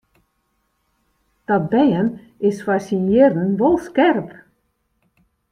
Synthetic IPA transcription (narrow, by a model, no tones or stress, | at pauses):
d̥ɔt̚bɛjən | ɪsfasinjɪrən̩ʋolˠskɛrp